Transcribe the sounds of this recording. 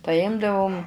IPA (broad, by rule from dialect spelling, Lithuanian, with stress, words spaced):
pɐˈjɪmdɐʋʊm